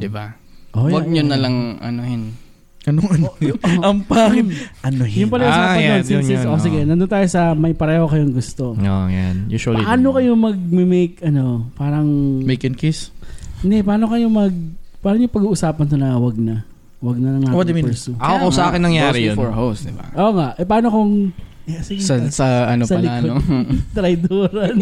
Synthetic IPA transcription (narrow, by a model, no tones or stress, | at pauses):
d̪ɪbaʔojwɐɡɲonɐlɐŋʔɐ̰nohɪn | ʔɐnoŋɐnoʔɐmpaːkɪnʔɐnohjʊŋpɐlɐʔʊsaːpɐoɪsosɪɡɛnɐnd̪ʊnt̪aːjosɐmɐjpɐɾɛːhokɐjoŋɡʊst̪o̞ojanjṵːʃɐliʔaːno̞kɐjomɐɡ̚mɛmejkɐno̞paːɾɐŋmejkɪnkisnd̪ɛpɐaːno̞kɐjo̞mɐɡ̚paːɾɐŋjʊŋpɐɡuːʔʊsaːpɐnk̪onɐwɐɡ̚nɐ | wɐɡ̚nɐnɐŋawɐdd̪ɐmɪpɛsuʔɐkokɐosɐʔaːkɪnːɐŋjaːɾifɔɹɦosd̪ɪba̰ʔoːŋaʔɛpɐaːnokoŋsɪɡsɐsɐʔɐnosɐɐlɪknot̪ɾɐjd̪oːɾɐn